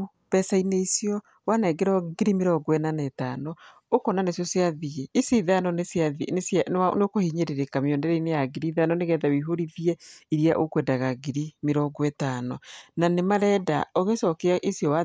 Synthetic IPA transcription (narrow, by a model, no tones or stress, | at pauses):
pɛsaineisijɔ | wanɛɡeɾɔɡeɾimeɾɔɡɔɛnanɛtanɔ | okɔnanesjɔsjaðieiseðanɔnesjaisaneokohiɲeɾeɾekamiɔndɛɾɛinejaɡiɾiðanɔneɣɛðawiɦoɾiðiɛiɾiaʔokwɛdaɣaɡiɾimeɾɔɡɔɛtanɔnanemaɾɛda̰ɔɣesɔkɛaʔisijɔwa